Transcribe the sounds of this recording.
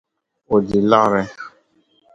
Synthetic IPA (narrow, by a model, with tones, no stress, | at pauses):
o˨di˨la˦ɾɛ˦